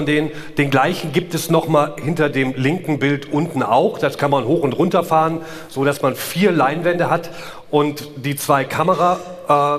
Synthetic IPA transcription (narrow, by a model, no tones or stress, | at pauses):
ndeːnn | d̥eːnɡlaɪçn̩ɡiːp̚tɛsnɔχmaːlhɪntɐdeːmlɪŋkŋ̩bɪltʔʊntn̩ʔa̰ʊχd̥askʰanmanɦoːxʊntʁʊntɐfaːʁən | z̥oːdasmanfiːɐlaɪnvɛndəɦat | ʔʊntd̥iːt͡sv̥aɪkʰaməʁa | ʔɛː